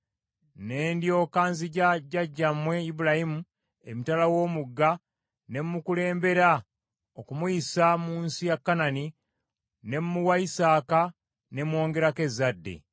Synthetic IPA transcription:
ne̞ːndjo̞ːkaːnziɟaɟaɟːamwe̞ibuɾahimu | emitalawo̞ːmuɡːa | ne̞mːukule̞ːmbe̞ɾa | okumuisamuːnsijakːanani | ne̞mːuwaisaːka | ne̞mwo̞ːŋɡe̞ɾake̞zːadːe̞̰

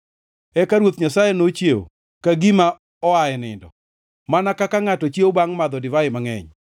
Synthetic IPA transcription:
ɛkaɾwot̪ɲasajenot͡ʃjeo̰ | kaɡima | ɔaɛnɪ̰ndɔ̰ | manakakaŋatɔt͡ʃjewobaŋmad̪ɔdɪvaɪmaŋɛ̰ɲ

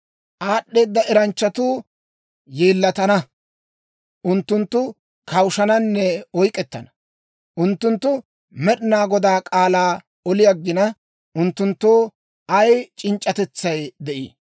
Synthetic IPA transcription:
ʔaːɗːe̞ːd̪ːɐɛɾɐnt͡ʃːɐt̪uː | jeːlːɐt̪ɐnɐ | ʔʊnt̪ːʊnt̪ːʊ | kʰɐwʃɐnɐnːɛɔjkʼɛt̪ːɐ̰nɐ̥ | ʔʊnt̪ːʊnt̪ːʊ | mɛɗɪnaːɡɔd̪aːkʼaːlaː | ɔlɪjɐɡːɪnɐ | ʊnt̪ːʊnt̪ːoː | ɐjt͡ʃʼɪnt͡ʃʼːɐt̪ɛt͡sːɐjd̪ɛʔḭː

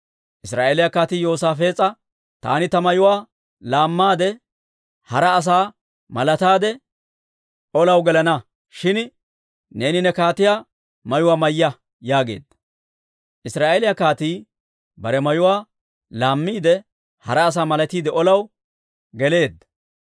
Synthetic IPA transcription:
ʔɪsɾaːʔelɪjakaːt̪iːjo̞ːsaːfe̞ːt͡sʼːɐ | t̪a̰ːnɪt̪ɐmɐjʊwaː | laːmːaːd̪ɛ | hɐɾɐːs̬aː | mɐlɐt̪aːd̪ɛ | ɔlɐwɡɛlɐnɐ | ʃɪn | ne̞ːnɪnɛkaːt̪ɪjaː | mɐjʊwaːmɐjːɐ | jaːɡe̞̰ːd̪ːɐ̥ | ʔɪsɾaːʔeːlɪjɐkaːt̪iː | bɐɾɛmɐjʊwaː | laːmːiːd̪ɛ | hɐɾɐːs̬aːmɐlɐt̪iːd̪ɛʔɔlɐw | ɡɛle̞ːd̪ːɐ

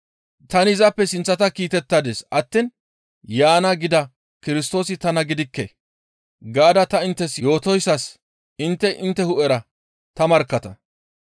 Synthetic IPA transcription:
t̪ɐnɪɪzɐpːɛsɪnt͡sːɐt̪ɐkiːt̪ɛt̪ːad̪eːsɐt̪ːɪn | jaːnɐɡɪd̪ɐ | kɪɾɪs̬t̪o̞ːsɪt̪ɐnɐɡɪd̪ɪkːḛ | ɡaːd̪ɐt̪ɐɪnt̪ːɛsjo̞ːt̪ɔjsːɐs | ɪnt̪ːɛʔɪnt̪ːɛhʊʔɛɾɐ | t̪ɐmɐɾkːɐt̪ɐ

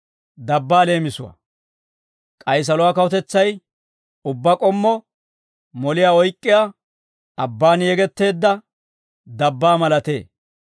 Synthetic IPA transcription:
d̪ɐbːaːle̞ːmɪsʊwɐ̰ | kʼɐjs̬ɐlʊwaːkɐwɔt̪ɛt͡sːɐj | ʊbːɐkʼɔmːɔ | mɔlɪjaːɔjkʼːɪjaː | ɐbːaːnjɛɡɛt̪ːe̞ːd̪ːɐ | d̪ɐbːaːmɐlɐt̪e̞̰ː

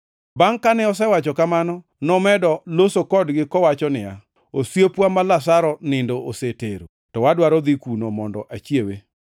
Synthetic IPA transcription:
baŋkanɛɔs̬ɛwat͡ʃɔkamanɔ | nɔmɛdɔlosokɔdɡɪkɔwat͡ʃɔnɪa | osjepwamalasaɾɔnɪndoʔoseteɾo̰ | tɔwadwaɾɔd̪ikunomɔndɔ̰ʔat͡ʃjewe

